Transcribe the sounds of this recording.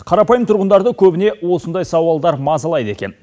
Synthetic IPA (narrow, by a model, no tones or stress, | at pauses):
qʰɑɾɑpɑjəmt̪ʰʊɾʁənd̪ɑɾd̪əkʲʰɵbɪne̞wo̞sənd̪ɑjsɑwɑlˠd̪ɑɾmɑzɑlˠɑjd̪əe̞kʲe̞n